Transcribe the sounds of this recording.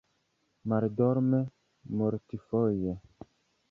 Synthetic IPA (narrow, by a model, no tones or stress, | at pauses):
maɾd̪ɔɾmɛ | mɔɾtifɔjɛ